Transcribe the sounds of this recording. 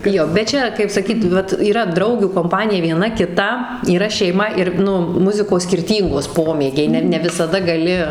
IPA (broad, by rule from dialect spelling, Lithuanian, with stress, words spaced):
ˈjoː bʲɛt ˈt͡ʃʲɛ kɐɪp sɐˈkʲiːt ˈʋɐt iːˈrɐ ˈdrɐʊɡʲuː koːmˈpɑːnʲɪjɛ ʋʲiɛˈnɐ kʲɪˈtɐ iːˈrɐ ʃʲɛɪˈmɐ ɪr ˈnʊ ˈmʊzʲɪkoːs sʲkʲɪrʲˈtʲiːŋɡoːs ˈpoːmʲeːɡʲɛɪ ˈnʲɛ nʲɛ ʋʲɪsɐˈdɐ ɡɐˈlʲɪ